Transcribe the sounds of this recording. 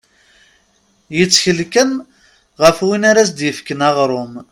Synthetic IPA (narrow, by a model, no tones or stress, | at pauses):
jət͡sːçəlkən | ʁəfwinaɾæs̬d̪jəfkənɑʁɾˤʊm